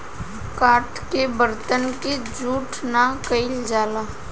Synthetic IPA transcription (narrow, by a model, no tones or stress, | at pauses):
kaːɾʈkebəɾt̪ənked͡ʒuːʈʰnakəɪld͡ʒaːla